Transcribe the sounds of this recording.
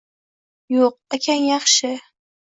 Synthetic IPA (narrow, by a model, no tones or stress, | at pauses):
joq̚akʲʰanjɑχʃɪ